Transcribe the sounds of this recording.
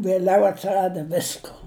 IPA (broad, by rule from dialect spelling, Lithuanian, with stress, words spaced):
ʋʲiɛˈlʲɛʊ ɐtʲsʲɪˈrɑːdɐ ˈʋʲɪskoː